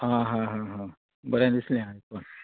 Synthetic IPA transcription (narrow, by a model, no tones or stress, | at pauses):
ɦãɦãɦãɦã | bəɾjand̪islẽãit̚on